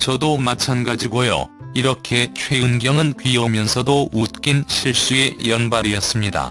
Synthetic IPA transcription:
t͡ɕʌdomat͡ɕʰanɡad͡ʑiɡojo̰ | iɾʌkʰe̞t͡ɕʰwe̞ɯnɡjʌŋɯnkɥijʌmjʌnsʰʌdout̚k͈inɕʰiɭɕ͈ue̞jʌnbaɾijʌs͈ɯmɲida̰

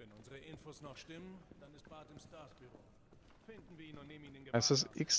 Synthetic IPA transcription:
vɛnʊnzəʁəʔɪnfoːsnɔχʃtɪmənd̥anɪst̚b̥aːtɪmstaɐsb̥yʁoː | fɪndn̩viːɐiːnʊnneːbm̩iːnɪnɡəɛsəs̬ʔɪks

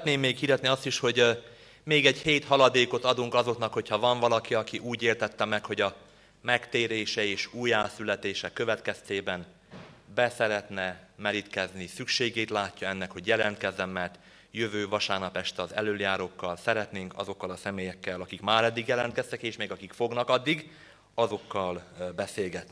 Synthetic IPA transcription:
t̪neːmːeːkhiɾɛt̪niɒst̪iʃho̞ɟ | meːɡɛɟheːt̪hɒlɒd̪eːko̞t̪ɒd̪uŋkɒzo̞knɒkho̞cʰhɒvɒɱvɒlɒkiɒkiʔuːɟeːrt̪ɛt̪ːɛmɛkho̞ɟɒ | mɛkt̪eːɾeːʃɛeːʃuːjaːsylɛt̪eːʃɛkːøvɛt̪kɛst̪eːbɛn | bɛsɛɾɛt̪nɛmɛɾit̪kɛznisykʃeːɡeːt̪laːcːɒɛnːɛkhoɟjɛlɛnt̪kɛzːɛmːɛrt̪ | jøvøːvɒʃaːrnɒpɛʃt̪ɒzɛløːljaːɾokːɒlsɛɾɛt̪neːŋkɒ̰zo̞kːɒlɒsɛmeːjɛkːɛlɒkikmaːɾɛd̪ːiɡjɛlɛnt̪kɛst̪ɛkeːʃmeːɡɒkikfo̞ɡnɒkɒd̪ːiɡ | ɒzo̞kːɒlbɛseːlɡɛt̪ni

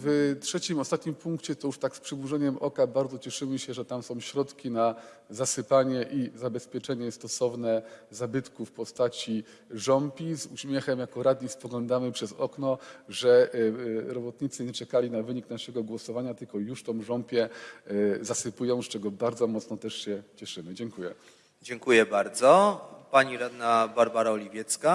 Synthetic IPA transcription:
vtʂɛt͡ɕimɔst̪at̪̚ɲimpuŋkt͡ɕɛt̪ɔjuʂt̪akspʂɘbuʐɛɲɛmʔɔkabaɾd̪zɔt͡ɕɛʂɘmɘɕɛʐɛt̪amsɔ̃w̃ɕɾɔt̪kʲina | zasɘpaɲɛʔizabɛspʲjɛt͡ʂɛɲɛst̪ɔsɔvnɛzabɘt̪kufpɔst̪at͡ɕi | ʐɔmpʲizuɕmʲjɛxɛmjakɔɾad̪ɲispɔɡlɔnd̪amɘpʂɛzɔknɔʐɛ | ɾɔbɔt̪ɲit̪sɘɲɛt͡ʂɛkalʲinavɘɲiknaʂɛɡɔɡwɔsɔvaɲat̪ɘlkɔjuʂt̪ɔ̃w̃ʐɔmpʲjɛ | zasɘpujɔ̃w̃st͡ʂɛɡɔbaɾd̪zɔmɔt̪snɔt̪ɛʂɕɛt͡ɕɛʂɘmɘd͡ʑɛŋkujɛ | d͡ʑɛŋkujɛbaɾd̪zɔpaɲiɾad̪nabaɾbaɾaɔlʲivʲjɛt̪ska

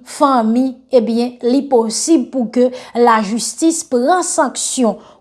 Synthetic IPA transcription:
fãmĩebjɛ̃liposibpukølaʒystispʁãsãksjɔ̃

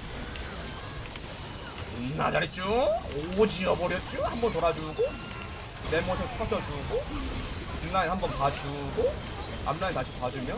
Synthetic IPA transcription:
na̰d͡ʑaɾit̚t͡ɕ͈uod͡ʑiʌbʌɾjʌt̚t͡ɕ͈uhambʌnt̪oɾad͡ʑuɡo | ne̞mʌsʰʌsʰk͈ʰat͡ɕʰʌd͡ʑuɡo | pinːaehambʌnpad͡ʑuɡo | a̰mnaentaɕʰipad͡ʑumjʌn

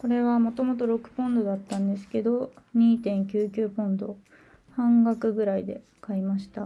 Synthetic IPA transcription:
ko̞ɾe̞βamo̞t̪o̞mo̞t̪o̞ɾo̞kɯ̟̥põ̞nd̪o̞d̪at̪ːãnd̪e̞sɨ̥ke̞d̪o̞ɲ̟iːt̪ẽ̞ŋkʲɨːkʲɨːpõ̞nd̪o̞̰ | hãŋɡakɯ̟ɡɯ̟ɾaid̪e̞ | kaimaɕi̥t̪a

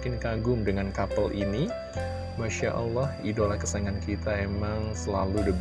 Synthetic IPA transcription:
kɪnkaɡʊŋdəŋankapəlʔini | maʃaʔɑ̰lːɑhidolahkəsaŋankit̪aemaŋsəlaludəb

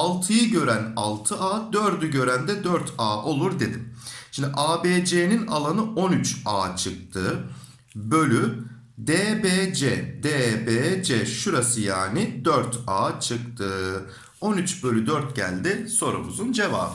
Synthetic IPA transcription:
alˠt̪ʰɯjɯɟø̞ɾænalˠt̪ʰɯʔaːd̪øɾd̪yɟø̞ɾænd̪ɛd̪øɾt̪ʰaːʔo̞lˠuɾd̪e̞d̪imʃimd̪ɪʔaːbeːd͡ʒenina̰lˠanɯonyt͡ʃaːt͡ʃʰɯk̚t̪ʰɯ | bø̞lʲy | d̪eːbed͡ʒɛd̪ebeːd͡ʒeʃuɾasɯjaːnɪd̪øɾt̪ʰaːt͡ʃʰɯkt̪ʰɯ | o̞nyt͡ʃbø̞lʲyd̪øɾt̪ɟæ̰lʲd̪ɪso̞ɾṵmuzund͡ʒeva̰ːbɯ

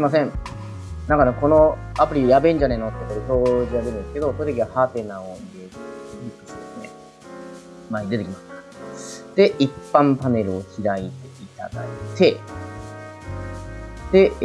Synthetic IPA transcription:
imas̬ẽ̞ɴ | nãŋkaneko̞no̞apɯ̟ɾʲijabẽ̞ɲ̟d͡ʑanenot̪ːekoɾeso̞ːʑiɡaɡ̪eɾɯ̃nd̪eskeo̞koɾit̪ek̬ʲiβahaːt̪e̞nãoiɾeɾikːɯ̥ɕd̪esɨne̞̰ | maɲd̪eekʲimasɨ̥ | d̪̥e̞ʔipːãmpane̞ɾɯ̟oçʲiɾait̪e̞it̪a̰d̪a̰it̪e̞ | d̪̥e̞

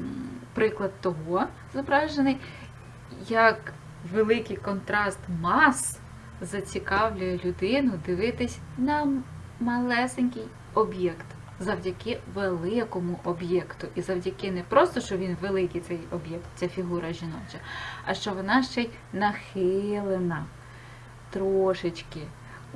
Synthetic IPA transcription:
pɾɪklˠɐd̪̚t̪ɔɦɔ | zɔbɾɑʒenɪj | jɐk | ʋelˠɪkɪjkɔnt̪ɾɑst̪mɑs | zɐt͡sʲikɑwlʲʊjɛlʲʊd̪ɪnʊd̪ɪʋɪt̪ɪsʲ | nɐ | mɐlˠɛsenʲkɪj | ɔbjɛkt̪ | zɐwdʲɐkɪʋelˠɪkɔmʊʔɔbjɛkt̪ʊʔizɐwdʲɐkɪnɛpɾɔst̪ɔʃt͡ʃɔʋʲinʋelˠɪkijt̪sɛjɔbjɛk̚t̪̚t͡sʲafʲiɦuɾɐʒʲinɔt͡ʃɐɐʃt͡ʃɔʋɔnɑʃt͡ʃɛj | nɐxɪlˠenɐ | t̪ɾɔɔʃɪt͡ʃkɪ

